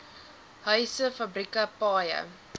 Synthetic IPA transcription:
ɦœɥsəfɐbɾikɐpɑːjə̰

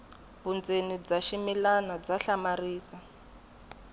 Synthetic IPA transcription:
βund͡zenid͡zaʃimilanɔd͡zaɬamariːsa

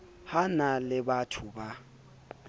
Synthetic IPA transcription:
hanalɪbatʰʊba

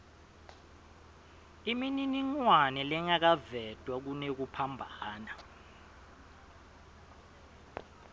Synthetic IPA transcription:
imininiŋwanɛlɛŋak̬avɛd̥ʱwak̬unek̬upʰambʱaːna

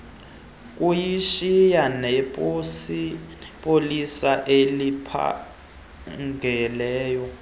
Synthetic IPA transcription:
k̬ʼujiʃijanɛpipʼolisaʔelipʰa̰ | ŋɡɛlɛːjɔ

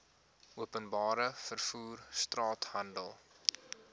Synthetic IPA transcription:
ʔuəpənbɑːɾəfərfuːrstrɑːthɐndəlˠ

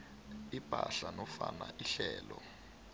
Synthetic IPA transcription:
ipʼaɬanɔfanaʔiɬɛːlɔ

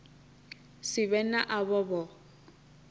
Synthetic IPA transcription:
sɪβɛnaʔaβɔbɔ

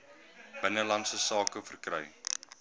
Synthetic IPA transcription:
b̥ənəlɐnsəsɑːkəfərkrɛ̰j

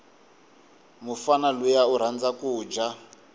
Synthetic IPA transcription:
mufanalujauɾ̤and͡zakuːd͡ʒa

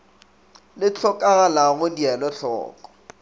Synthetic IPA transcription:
lɪt͡ɬʰɔkʼaɣalaɣʊdialɔɬɔ̰ːkʼɔ̥

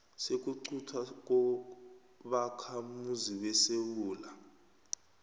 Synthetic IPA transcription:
sek̬uǀʰutʰwak̬ɔ | ɓakʰamuziwɛsewuːla

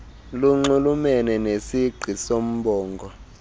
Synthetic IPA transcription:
luŋ͡ǃulumɛnɛnesiɡ͡ǀʱisom̩ɓɔːŋɡʱɔ

